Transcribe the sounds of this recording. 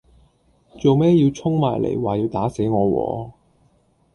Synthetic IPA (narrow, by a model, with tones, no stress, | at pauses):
t͡so˨wmɛː˥ji˧wt͡sʰʊ˥ŋmaː˨˩jlʔḛ˨˩jwaː˨ji˧wt̪aː˨˥se˨˥jŋɔː˨˧wɔ̰ː˨˧˥